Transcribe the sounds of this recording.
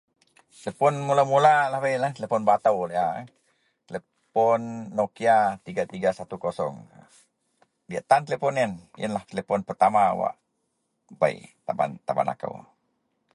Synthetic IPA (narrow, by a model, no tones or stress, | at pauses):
t̪ləpɔnmulamulalahbajlat̪əlefɔnbat̪awleʔa | t̪əle | pɔnːokiat̪iɡat̪iɡasat̪ukosɔ̰ŋ | diaʔt̪ant̪əlepɔninjʔə̰nlaht̪əlepɔnpərt̪ama̰wa̰ʔ | ba̰ḭt̪aba̰nt̪aba̰na̰kə̰w